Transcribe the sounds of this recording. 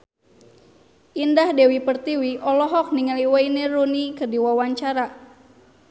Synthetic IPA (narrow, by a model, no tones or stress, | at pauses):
ʔindahdewipərt̪iwiʔɔlɔɦɔk̚niŋaliwainerunikərdiwawaɲt͡ʃaɾa